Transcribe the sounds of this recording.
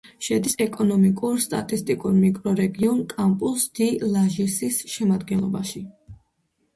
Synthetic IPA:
ʃɛd̪isɛkʼɔnɔmikʼuɾst̪ʼa̰t̪ʼist̪ʼikʼuɾmikʼɾɔɾɛɡiɔnkʼampʼusd̪̥ilˠaʒisisʃɛmad̪ɡɛnlˠɔbaʃi

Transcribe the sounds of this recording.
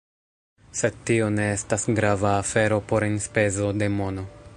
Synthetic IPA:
se̞d̚tio̞ne̞estasɡɾavaːfe̞ɾo̞po̞ɾenspe̞zo̞de̞mo̞no̞

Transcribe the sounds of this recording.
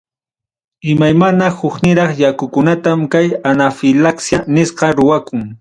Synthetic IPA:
ɪmajmanahʊknɪɾɑχjakʊkʊnat̪amkajanafɪlaksjanɪsqɑɾʊwakʊŋ

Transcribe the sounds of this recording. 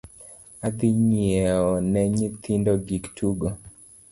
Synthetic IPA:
ad̪iɲiɛɔnɛɲit̪ʰindoɡiktʰuɡo

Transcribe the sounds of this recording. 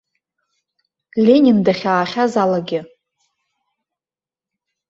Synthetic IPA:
lʲe̞nʲindaχʲaːχʲazalaɡʲɪ

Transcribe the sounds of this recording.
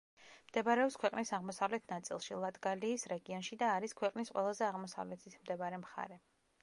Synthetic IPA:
md̪̥ɛbaɾɛɔpskʰwɛqʼnisaʁmɔsavlɛt̪ʰnat̪sʼḭlˠʃilˠat̪ʼɡaliːsɾɛɡiɔnʃid̪aːɾiskʰwɛqʼnisqʼwɛ̰lˠazɛaʁmɔsa̰vlɛt̪ʰit̪ʰmd̪ɛbaɾɛmχa̰ɾɛ

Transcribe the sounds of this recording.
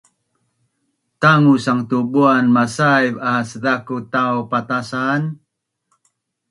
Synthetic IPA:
t̪aŋusaŋt̪ubuanmasajvasədakut̪awpat̪asan

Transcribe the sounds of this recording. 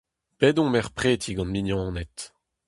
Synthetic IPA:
pɛdɔ̃mɛʁpχeːt̪ʰiɡɑ̃nminjɑ̃ːnɛt̪

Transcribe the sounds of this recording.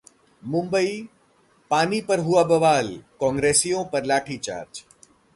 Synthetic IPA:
mʊ̃mbəi | paːnipɐɾɦuaːbəʋaːlkɔ̃ːŋɡɾeːsijõːpɐɾlaːʈʰiːt͡ʃa̰ːɾt͡ʃ

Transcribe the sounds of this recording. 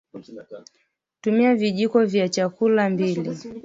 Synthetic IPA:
tumiaviʄikɔvjat͡ʃakulambili

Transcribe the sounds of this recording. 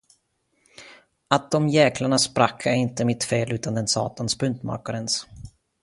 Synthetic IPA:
at̪̚d̪ɔmjɛːklaɳaspɾakʰːaɪnt̪əmɪt̪feːlʉ̟ːt̪and̪ɛnsɑ̰ːt̪anspɵnt̪mɑ̰ɾkaɾɛns

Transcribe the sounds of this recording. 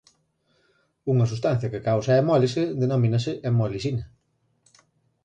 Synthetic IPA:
uŋɐsust̪an̟θjɐkɪkawsɐemɔliseðenomĩnɐsɪʔemɔlisinɐ

